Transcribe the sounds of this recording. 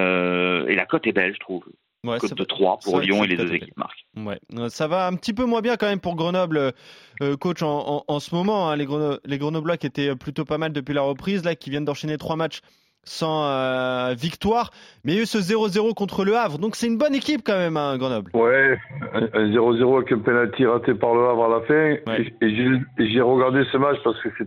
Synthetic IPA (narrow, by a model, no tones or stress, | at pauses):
øḛlakɔt̪ɛbɛlʒət̪χuv | wɛkɔad̪ət̪χwa̰puʁljɔ̃eled̪øzekip̚ma̰ʁkwɛ̰øsavaɛ̃pət̪ip̬ømwɛ̃bjɛ̃kɑ̃mɛmpuʁɡʁənɔblø | kot͡ʃɑ̃ːsəmɔmɑ̃ɛ̃leɡʁənɔleɡʁənɔblwakʲiet̪ɛøplyt̪opamald̪əpɥilaʁəpχizlakʲivjɛnd̪ɑ̃ʃenet̪χwamat͡ʃ | sɑ̃øvikt̪waːʁmɛjaysəzeʁozeʁokɔ̃t̪χələavʁd̪ɔ̃ksɛtynbɔnekʲip̚kɑ̃mɛmɛ̃ɡʁənɔblwɛɛ̃ɛ̃zeʁozeʁoaɛkɛ̃penalt̪ʰiʁat̪epaʁləavʁalafɛ̃wɛeeʒeeʒɛʁəɡaʁd̪esəmat͡ʃpaʁsə̥kəsɛ